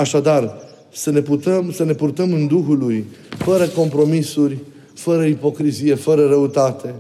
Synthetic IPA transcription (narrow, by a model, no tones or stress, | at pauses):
aʃad̪ar | səne̞put̪əmsəne̞purt̪əmɨnd̪uɦulujfəɾəko̞mpɾo̞misurʲ | fəɾəipo̞kɾizije̞fəɾəɾəut̪at̪e̞